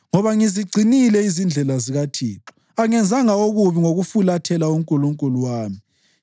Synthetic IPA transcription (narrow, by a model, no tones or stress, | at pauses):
ŋɔβaŋiziɡ͡ǀʱinilɛizind͡ɮʱɛlaziɣatʰḭːǁɔ̥ | aŋɛnd͡zʱaŋaoɣuβiŋoɣufulatʰɛlauŋkʼuluŋkʼuluwaːmi